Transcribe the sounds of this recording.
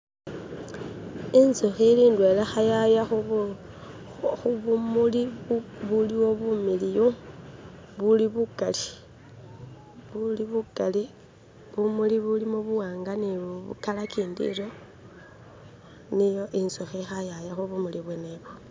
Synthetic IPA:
inzoxiliːndwelexajajaxu | xuβumuliβuliwo̞βumilijo | βuliβukali | βuliβukali | βumuliβulimoβuwaːŋɡaniβṵkalakiːndḭɾo̞ | nijoʔinsoxixajajaxuβumuliβweneβo

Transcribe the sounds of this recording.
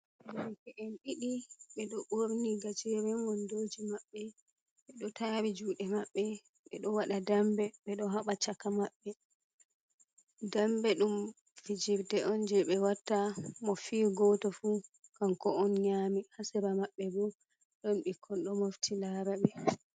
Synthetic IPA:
kɛʔɛnɗiɗiɓɛɗɔʔoɾniɡat͡ʃɛɾɛnwɔndoːd͡ʒimaɓːɛ | ɓɛɗɔtaːɾid͡ʒuːɗɛmaɓːɛ | ɓɛ̰ɗɔwaɗadambɛɓɛɗɔɦaɓat͡ʃakːamaɓːɛ | dambɛɗum | fid͡ʒiɾdɛʔɔnd͡ʒɛɓɛwatːamɔfiːɡɔtɔfukamkɔɔnɲaːmihasɛɾamaɓːɛbɔ | ɗɔnɓikʰːɔnɗɔmoftʰilaːɾaɓɛ

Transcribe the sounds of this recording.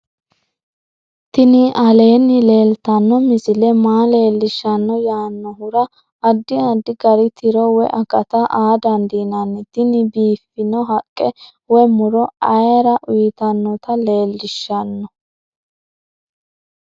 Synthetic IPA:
t̪ɪnɪʔɐle̞ːnːɪle̞ːlt̪ɐnːɔmɪzɪlɛmaːle̞ːlːɪʃːɐnːɔjaːnːɔɦʊɾɐː | d̪ːɪɐd̪ːɪɡɐɾɪt̪ʰɪɾɔwɛʔɐkʼɐt̪ɐʔaːd̪ɐnd̪iːnɐnːɪt̪ɪnɪbiːfɪnɔɦɐkʼːɛ | wɛmʊɾɔɐjɐɾɐʔʊjɪt̪ɐnːɔt̪ɐle̞ːlːɪʃːɐnːɔ

